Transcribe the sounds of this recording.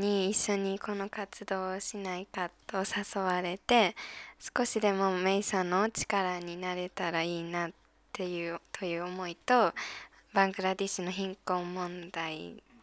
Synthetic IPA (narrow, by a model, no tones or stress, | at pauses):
ɲ̟iːɕːo̞ɲ̟iko̞nokat͡sɨd̪o̞ːɕinaikat̪o̞saso̞βaɾe̞t̪e̞sɨ̥ko̞ɕid̪e̞mo̞me̞isano̞t͡ɕi̥kaɾaɲ̟inaɾe̞t̪aɾaiːnat̪ːe̞jɯːt̪ʰo̞jɯ̟ːomo̞it̪o̞ | bãŋɡɯ̟ɾad̪iɕino̞çĩŋkõ̞mːõ̞nd̪ai